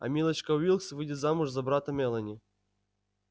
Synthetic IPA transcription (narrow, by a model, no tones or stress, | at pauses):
ɐ̰mʲilˠɐt͡ɕkɐʊilˠksvɨdʲɪt̪zamʊʐzɐbɾat̪ɐmʲɛlˠɐnʲi